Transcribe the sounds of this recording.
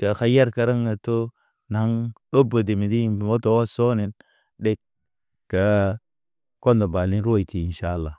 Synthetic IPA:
ka˨xa˦ja˦ɾka˦ɾa˦ŋa˨to˦ | na˨˦ŋɗo˦bo˨di˨mi˨di˦˨mo˦to˨wa˦so˦ni˨n | de˦k̚ | ka˨ | ko˦nda˨ba˨ni˦nɾu˦a˦˨ti˨i˨nʃa˦˨lːa˨

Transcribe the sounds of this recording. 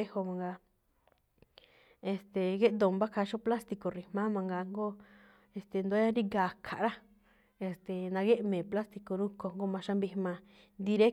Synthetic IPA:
e˦ho˧mã˧ŋɡa˧ | e˨st̪e˨ɣe˦ʔd̪o˨mba˦kʰa˧ʃõ˦pla˦st̪i˧ko˨ri˧mã˦mã˧ŋɡa˧ŋɡo˦ | e˧st̪e˨nd̪u˧a˦ɲa˦ɾi˦ɡa˧˨kʰa̰˨ʔɾa˦ | e˧st̪e˨nã˧ɣe˦ʔmẽː˨pla˦st̪i˧ko˧ɾu˦ko˧ŋɡo˦mã˧ʃa˧mbi˧mã˧ | nd̪i˧ɾe˦

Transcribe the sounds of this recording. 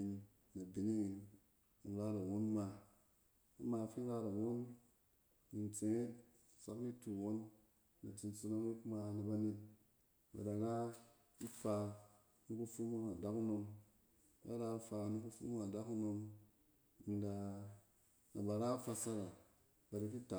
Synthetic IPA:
na˨bi˨ni˦ | i˨ɾa˦ɾa˨wo˦n˦ma˧ | a˦ma˨fi˦n˦ɾa˦ɾa˨wo˦n | ni˨nt͡se˨ŋe˦˨ | sa˦kni˦tu˨wo˦nː | a˨t͡ʃi˨n˦t͡su˧˦no˦mi˦kma˧na˨ba˦ne˦t̚ | ba̰˨da˨ɾa˦ | i˦fa˧ | ni˦ku˦fu˦mo˦a˨da˦ku˦no˧m | a̰˦a˦ɾa˧˦fa˧ni˧˦ku˦fṵ˦m˦ŋa˨da˦ku˦no˧m | i˨nda˧ | na˨ba˨ɾa˦fa˧sa˦ɾa˨ | ba˨ɾi˦ki˦ta˨

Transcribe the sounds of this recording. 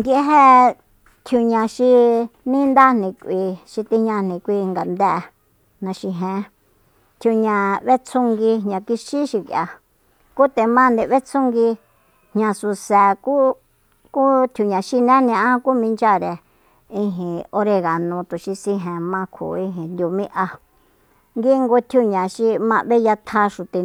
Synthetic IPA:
nd̪i˧e˦ɦe˦ | t̪ʰju˧ɲã˧ʃi˧nĩ˦nd̪a˦n̥nĩ˧kʷʔi˧ʃi˧t̪i˧ɲã˧n̥ĩ˧˨kʷi˧ŋɡa˨nd̪ɛ˦ʔ | nã˧ʃi˧ɦẽ˧ | t̪ʰju˧ɲã˧βe˦t͡sʰu˧ŋɡi˧ɦɲã˧ki˧ʃi˦ʃi˧kja˧ | ku˦t̪e˧mã˦˧nd̪e˧˨βe˦t͡sʰũ˦ŋɡi˧ | hɲã˧su˧sɛ˨ku˦ | ku˦t̪ʰu˧ɲã˨ʃi˧nẽ˦nĩ˧ã˦ku˦mĩ˧nd͡ʒa˦ɾe˧ | ĩ˧ɦĩ˨o˧ɾe˧ɣa˨nũ˧t̪u˨ʃi˧sĩ˧ɦẽ˧mã˧kʰṵ˨ĩ˧ɦĩ˨nd̪ʲu˧mĩ˦ʔa˧ | ŋɡi˦˧ŋɡo˧t̪ʰju˧ɲã˨ʃi˧mã˧βe˦ja˧t̪ʰa˧ʃu˨t̪e˨

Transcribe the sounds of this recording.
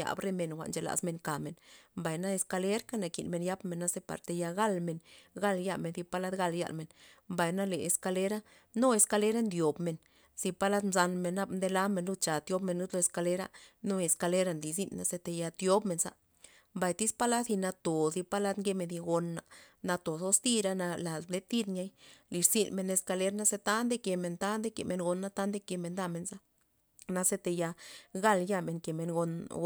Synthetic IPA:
ja̰˨bɾe˦me˧nxʷa̰˨ʔnt͡ʃe˧la̰˨sme˧ŋka˨me˨nmba˨jna˦e˧ska˧le˦ɾka˦na˨ki˨nme˧nja˦bme˧˨nːa˦˧ze˦pa̰˨ɾt̪e˧ja˧ɡa˦lme˧nɡa˦lja˧me˨nθi˧pa˦la˦d̪ɡa˧lja̰˧˨lme˨nmba˨jna˦le˨e˨ska˧le˦ɾa˦ | no˦e˧ska˧le˦ɾa˦nd̪jo˨bme˧n | si˧pa˦˧la˦d̪mza˧nme˧nːa˦bnd̪e˧la˦me˧nlu˦t͡ʃa˨t̪jo˦bme˧nːu˦t̪lo˧e˧ska˧le˦ɾa̰˧nu˦e˧ska˧le˦ɾa˧nd̪i˨zi˧nːa˧se˧t̪e˧ja˧t̪jo˦bme˧nza̰˧ | mba˨jt̪i˦spa˦la˦si˧na˧t̪o˨zi˧pa˦la˦t̪ŋɡe˧˦me˧ndi˧ɡo˧nːa˨na˧t̪o˨so˧st̪i˦˧ɾa˧na˧la˨ble˦t̪i˦d̪ɲa˦jli˨˧ɾsi˧nme˧ne˧ska˧le˦ɾna˦se˧t̪a˦nd̪e˦ke˨me˧nt̪a˦nd̪e˦kḛ˨me˧nɡo˧nːa˧t̪a˦nd̪e˦ke˧me˧nd̪a˧me˧nza˧ | na˧se˧t̪e˧ja˧ɡa˧lja˧me˧˨ŋke˨me˧nɡo˧n

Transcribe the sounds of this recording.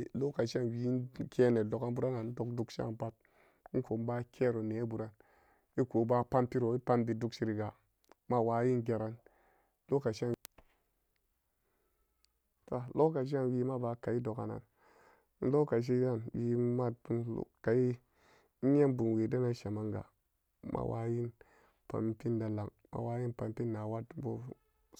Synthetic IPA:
lo˦ka˨ʃa˦nwi˨˦kʰe˦ne˨do˨ka˦nbu˦ɾa˦na˨n̩˦do˨kdu˦kʃa̰˦˨pa˦t̩̚˦ | ko˨m˦ba˦kʰe˦ɾo˨ne˨˦bu˨ɾa˦n | i˦ko˨˦ba˦pa˦npi˦ɾo˨i˦pa˦nbi˨du˦kʃi˦ɾi˨ɡa˨ | ma˦waː˨˦ji˦ŋ˦ɡe˨ɾa˨n | lo˦ka˨ʃa˦˨ | to˨lo˦ka˨ʃ̬a˦nwi˨ma˦ba˨ka˨i˦do˨ka̰˨na̰˨n˦ | n̩˦lo˦ka˨ʃ̬i˦ja˦˨nwi˨˦ma˦ṵ˦˨ka˨ji˦ | a˦nbu˨n˨we˨da˦na˦ʃa˨ma˦ŋɡa̰˨ | mʔa̰˨wʔa̰˦ji˦n | pa̰˨mpi˦nda˨la˨ŋ | ma̰˨wa˦ji˦npa˨mpi˦nːa˨wa˦dbo˦

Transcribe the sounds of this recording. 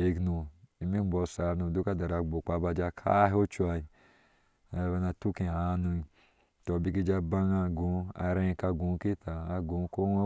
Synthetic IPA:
e˨knu˨i˧mi˦bɔ˧˨sa˨˦nu˨du˦ka˦da˨ɾa˨ɡ͡bo˨k͡pa˨˦ba˧d͡ʒa˧kʰa̰˦ɦo˦t͡ʃa˧i˨ | a˨˧˨βa˧na˧tu˦ki˨a˨˧nu˧i˧ | tɔ˨bi˧ki˦d͡ʒa˦ba˦ŋa˧ɡũ˨˦a̰˨ɾẽ˦˧ka˧ɡu˨˦ki˦taː˨˧ɡũ˨˦ko˦e˦

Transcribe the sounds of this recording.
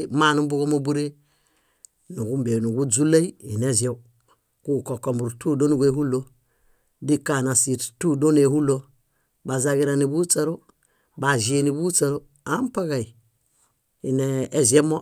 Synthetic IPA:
ma˦˨nu˦bu˦ɡo˦mo˦bu˦ɾe˦ | nu˨ɡu˦mbe˨nu˨ɡu˦d͡zu˦la˦i˦i˨ne˦ze˦u˦ | ku˦˨ko˨ko˨mu˨ɾtu˦do˦nu˨ɡe˨hu˦lo˦ | di˦ka˨na˨si˨ttu˦do˦ne˨hu˦lo˦ | ba˨za˨ɡi˦ɾa˨ni˨bu˦t͡sa˦ɾo˦ | ba˨zi˨˦e˨ni˨bu˦t͡sa˨ɾo˦ | a˦m˦pa˦ɡa˨i˨ | i˨neː˨˦ze˦mo˦

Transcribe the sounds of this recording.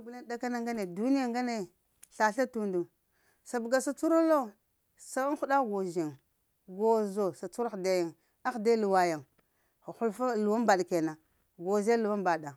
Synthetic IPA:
ɡu˨la˦nda˦ka˦na˦ŋɡa˦ne˨du˦ni˦ja˦ŋɡa˦ne˨ | ɬa˨ɬa˦tu˦ndu˨ | sa˨bu˨ɡa˨sa˨t͡su˦ɾo˦lo˦ | sa˦xu˦ɗa˦ɡo˨ʒi˨ŋ | ɡo˨zo˨sa˨t͡su˦ɾxda˦ja˨ŋ | a˦xda˦lu˨wa˨ja˨ŋ˨ | xu˦lfa˦lu˨wa˦mba˨ɗke˨na˨ | ɡo˨ze˦lu˨wa˦mba˨ɗa˨

